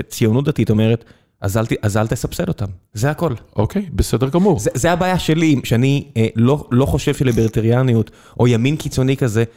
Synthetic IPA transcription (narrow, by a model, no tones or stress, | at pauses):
et͡sijonut̚d̪atito̞me̞ʁet | a̰zalt̪iʔazalt̪esapselo̞tamzeako̞lʔokejbesedeʁɡamuʁzezeabaːjaʃe̞limʃeanilo̞lo̞χo̞ʃev̥ʃelebeʁit̪eʁjanijut | ʔo̞jaminkit͡so̞nikaze̞